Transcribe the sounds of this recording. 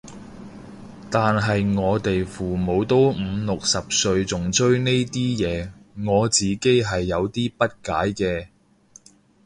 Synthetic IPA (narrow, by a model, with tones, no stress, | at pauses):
t̪aː˨nɦɐ˨jŋɔː˨˧t̪e˨jfuː˨˩mo˨˧wt̪o˥wm̩ː˨˧lʊ˨k̚sɐ˨p̚sɵ˧ɥt͡sʊ˨˩ŋt͡sɵ˥ɥne˥jt̪iː˥jɛː˨˧ŋɔː˨˧t͡siː˨ke˥jɦɐ˨jːɐ˨˧wt̪iː˥pɐ˥t̚kaː˨˥jkɛː˧